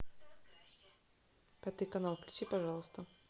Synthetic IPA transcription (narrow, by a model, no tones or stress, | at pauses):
pʲat̪ɨjkɐnalˠklʲʉt͡ɕipɐʐɑlˠəst̪ə